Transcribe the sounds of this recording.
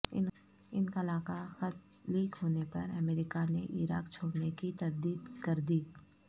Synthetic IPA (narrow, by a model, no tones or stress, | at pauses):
ɪnkalaːkaxɐt̪ | liːkɦoːnepɐɾɐmeːɾɪkaneʔiɾaːkt͡ʃʰoːɽnekit̪ɐɾd̪iːd̪kɐɾd̪iː